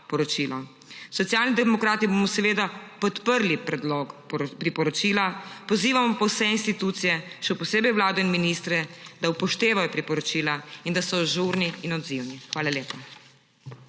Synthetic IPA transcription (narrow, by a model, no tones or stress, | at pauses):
pɔɾɔt͡ʃiːlɔ | sɔt̪sjaːlnid̪ɛmɔkɾaːt̪ibomɔsɛʋeːd̪apɔt̪pəɾlipɾɛd̪lɔkpɾipɔɾɔt͡ʃiːlapɔziːʋamɔpɔwsɛinst̪it̪uːt̪sijɛʃɛwpɔseːbɛjwlaːd̪ɔinminist̪ɾɛd̪aupɔʃt̪eːʋajɔpɾipɔɾɔt͡ʃiːlaind̪asɔʒuɾniːnɔd̪ziwnixʋaːlaleːpa